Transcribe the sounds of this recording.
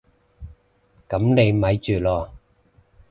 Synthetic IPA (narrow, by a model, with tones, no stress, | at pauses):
kɐ˨˥mne˨˧jmɐ˨˥jt͡ʃyː˨˩lɔː˧˩